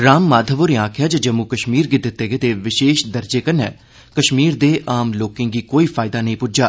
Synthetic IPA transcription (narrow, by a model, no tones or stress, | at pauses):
ɾaːmːaːd̪ʱəʋoɾeãːkʰjaːd͡ʒəd͡ʒəmːuːkəʃmiːɾɡɪɪt̪ːeːɡeːt̪eːʋɪʃeːʃd̪əɾd͡ʒeːkənɛː | kəʃmiːɾd̪eːʔaːmloːkɪ̃ːŋɡiːkoːiːpʰaːɪd̪aːnəĩpʊd͡ʒaː